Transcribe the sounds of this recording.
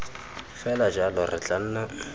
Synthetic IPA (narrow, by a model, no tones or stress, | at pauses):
fɛlad͡ʒalʊrɪt͡ɬʼan̩ːnɔ